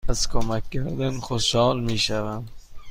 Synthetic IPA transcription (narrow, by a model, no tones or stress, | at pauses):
æzkʰomækʰʲːæɾd̪ænxoʃhɒːlmiːʃævæm